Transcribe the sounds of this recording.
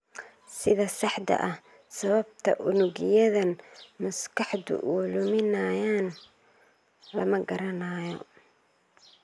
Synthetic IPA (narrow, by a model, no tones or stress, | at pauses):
sɪðɐsɑħd̪ɐ̰ʔɐh | sɐβɐb̚t̪ʰɐ̰ʔʊnʊɣɪjɐðɐnmɐskʰɑħd̪ʊ̰ʔuːlʊmɪnaːjaːn | lɐmɐɡɐɾɐnaːjɔ̰